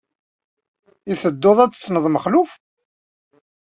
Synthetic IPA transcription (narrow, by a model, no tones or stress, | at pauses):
iθəd̪ːoðˤæt͡sːt͡sːnəðˤməχluf